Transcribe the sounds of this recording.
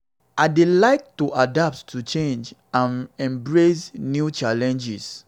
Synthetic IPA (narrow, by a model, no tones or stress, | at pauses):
aɪdilaɪk̚tuʔadap̚ttʰut͡ʃẽnd͡ʒãnɛ̃mbɹesnjut͡ʃalɛ̃nd͡ʒis